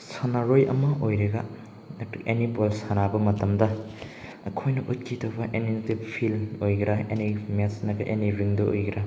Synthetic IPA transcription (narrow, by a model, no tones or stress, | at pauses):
sɐnaɾojɐ̰mɐʔojɾɐɡɐ | enipolsanabɐmɐtɐmdɐ | ɐkʰojnɐʔut̚kʰitʰɐbɐʔenintip̚pʰilojɡɾɐḛnimesnɐɡɐʔeniɾiŋdɐʔojɡɾɐ